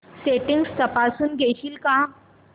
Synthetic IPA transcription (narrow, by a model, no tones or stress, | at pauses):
seʈĩŋɡst̪əpasuːnɡʱeɕiːlka